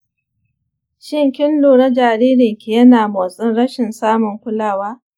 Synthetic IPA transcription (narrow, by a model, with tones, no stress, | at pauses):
ʃɪ˦ŋkʲɪ˦nloː˨nɐ˦d͡ʒaː˨ɾiː˦ɾɪ˨ŋkʲi˨jɐ˦naː˨mo˨sʼɪ˦nɽɐ˦ʃɪ˨nsaː˦mʊ˨ŋkʷʊ˦laː˦˨waː˦